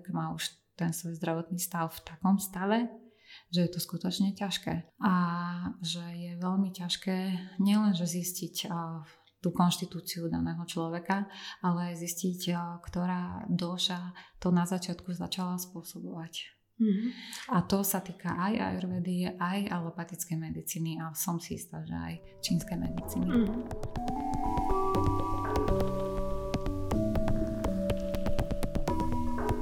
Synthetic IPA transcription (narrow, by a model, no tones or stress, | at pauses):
kmaːuʃ | t̪ɛnsʋɛjzd̪ɾaʋɔt̪niːst̪aʊft̪akɔmst̪aʋɛ | ʒɛjɛt̪ɔskut̪ɔt͡ʃɲɛcaʃkɛːʔa | ʒɛjɛʋɛlmicaʃkɛːɲɪɛlɛnʒɛziscic | t̪uːkɔnʃt̪it̪uːt͡siud̪a̰nɛːɦɔt͡ʃlɔʋɛkaʔalɛajziscickt̪ɔɾaːd̪ɔʃat̪ɔnazat͡ʃɪat̪kuza̰t͡ʃalaspʊɔsɔbɔʋac | at̪ɔsat̪iːkaʔaja̰ɛɾʋɛːd̪iɛʔajalɔpat̪it͡skɛjmɛd̪it͡siːniasɔmsiḭst̪aʒɛ̰a̰j | t͡ʃiːnskɛjmɛ̰d̪it͡siːni